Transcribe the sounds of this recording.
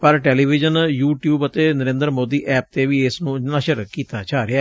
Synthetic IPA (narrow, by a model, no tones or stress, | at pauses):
pəɾʈɛːliːʋɪd͡ʒənjuːʈjuːbət̪eːnəɾẽːnd̪ɾmoːd̪iːʔɛːp̚t̪eːʋiːɪsnũːnəʃəɾkiːt̪aːt͡ʃaːɾeɛː